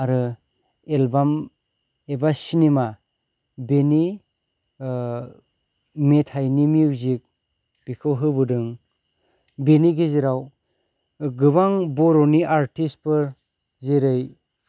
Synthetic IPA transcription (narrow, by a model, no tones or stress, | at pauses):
aɾɯ | elbam | ebasinima | beni | metʰajnimiwzik̚ | b̥ikʰɯwɦɯbɯdɯŋ | beniɡeziɾaw | ɡɯbaŋbɔɾɔniʔaɾtispɯɾ | zeɾɯj